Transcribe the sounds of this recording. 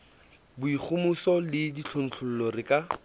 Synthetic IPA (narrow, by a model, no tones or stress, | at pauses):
bʊik͡xʰʊmʊsɔlɪdit͡ɬʰon̩t͡ɬʰʊl̩lɔrɪkʼa